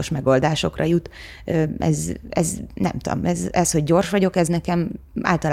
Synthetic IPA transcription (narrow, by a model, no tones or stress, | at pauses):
oʃmɛɡo̞ld̪aːʃo̞krʔɒ̰jut̪ | øːʔɛ̰zɛ̰znɛ̰mt̪ud̪o̰mɛzɛsho̞ɟːo̞rʃʋɒɟo̞kɛznɛkɛm | a̰ːlt̪ɒlː